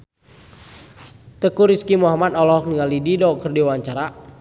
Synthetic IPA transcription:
t̪əkuɾiskimuɦamat̪ɔlɔɔk̚niŋalididɔkərdiwaɲt͡ʃaɾa

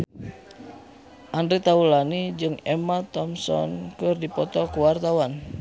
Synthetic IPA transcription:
ʔandɾit̪aulanid͡ʒɨŋɛmat̪ɔmsɔ̰nkɨrdipɔt̪ɔkuwart̪awan

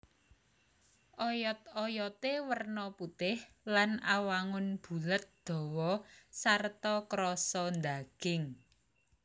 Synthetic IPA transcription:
ʔɔjɔt̪̚ɔjɔt̪ewərnɔput̪ɪhlanawaŋʊnb̥ṳlət̪̚d̪̥ɔ̤wɔsart̪ɔkɾɔsɔnd̪aɡ̥ɪŋ

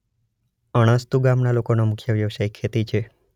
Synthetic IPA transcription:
əɽ̃əst̪uɡamnalokonomʊkʰjəʋjəʋʃaikʰːet̪it͡ʃʰe

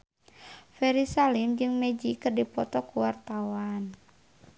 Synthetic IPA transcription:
fɛɾisalimd͡ʒɨŋmɛd͡ʒikɨrdipɔt̪ɔkuwart̪awan

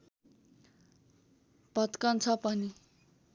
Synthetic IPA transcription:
pʌt̪kʌnt͡sʰʌpʌni

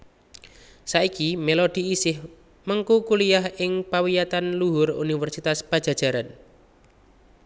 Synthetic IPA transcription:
saikimelod̪̥i̤isɪh | məŋkukulijaɦɪŋpawijat̪anluɦʊrṵnifɛrsit̪aspad̥ʒ̥a̤̥ʒ̥a̤ɾan

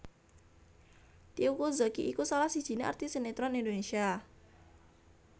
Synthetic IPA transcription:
t̪iukozokiʔikusalahsid̥ʒ̥i̤nea̰rt̪isenet̪ɾɔnind̪onesia

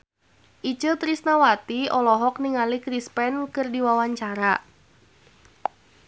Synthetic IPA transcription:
ʔit͡ʃət̪ɾisnawat̪iɔlɔɦɔk̚niŋalikɾispɛnkɨrdiwawaɲt͡ʃaɾa

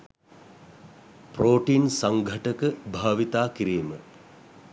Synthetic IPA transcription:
proːʈiːnsɐŋɡʱɐʈəkəbʱaːʋit̪aːkiɾiːmə̰

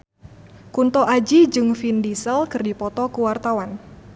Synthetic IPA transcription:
kunt̪ɔʔad͡ʒid͡ʒɨŋfindisəlkɨrdipɔt̪ɔkuwart̪awan

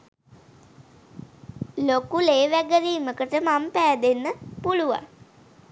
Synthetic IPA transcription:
lokuleːʋæɡəɾiːməkəʈəmampæːd̪enːəpuluʋa̰ŋ

